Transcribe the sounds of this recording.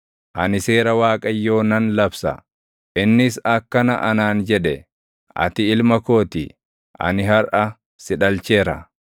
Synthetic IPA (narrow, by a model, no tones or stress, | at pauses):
ʔɐnɪse̞ːɾɐwaːkʼɐjːo̞ːnɐnlɐbsɐ̰ | ʔɪnːɪsɐkːɐnɐʔɐnaːnd͡ʒɛᶑɛ | ɐ̰t̪ɪɪlmɐko̞ːt̪ɪ | ʔɐ̰nɪɦɐɾʔɐ | sɪᶑɐlt͡ʃeːɾɐ̰